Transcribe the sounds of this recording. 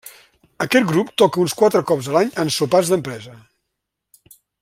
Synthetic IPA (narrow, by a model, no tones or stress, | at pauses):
əkɛt̪̚ɡɾupt̪ɔkəunskwat̪ɾəkɔpzðəlaɲənsupazðəmpɾɛzə